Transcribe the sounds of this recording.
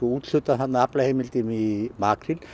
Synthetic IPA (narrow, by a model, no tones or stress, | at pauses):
uut̪ɬot̪ɐɦãnaːplaɦemilt̪imimaːkʰɾil